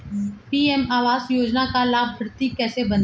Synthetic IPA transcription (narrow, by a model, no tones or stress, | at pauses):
piːɛmaːʋaːzjoːd͡ʒnakalaːbʱəɾt̪ikɛːsebɐn